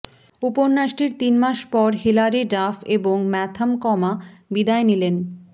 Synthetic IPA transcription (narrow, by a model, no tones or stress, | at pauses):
upoɾnaʃʈiɾt̪inmaʃpɔɾɦilaɾeɖafeboŋmɛt̪ʰamkɔmabid̪aenilen